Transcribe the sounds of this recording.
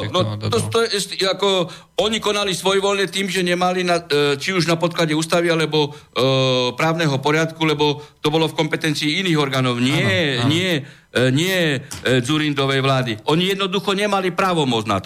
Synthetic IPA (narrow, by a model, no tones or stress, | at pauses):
nɔt̪ɔt̪ɔɛɛsiakɔ | ɔɲikɔnalisʋɔjʋɔlɲɛt̪iːmʒɛɲɛmalinat͡ʃiuʒnapɔt̪̚klaɟɛuːst̪aʋialɛbɔ | pɾaːʊnɛɦɔpɔɾɪat̪kulɛbɔt̪ɔbɔlɔfkɔmpɛt̪ɛnt͡siːiniːɣɔɾɡaːnɔʊɲɪɛɲɪɛ | ɲɪɛd͡zuɾind̪ɔʋɛjʋlaːd̪iʔɔɲijɛd̪nɔd̪uxɔɲɛmalipɾaːʋɔmʊɔd͡z̪na̰t̪ɔ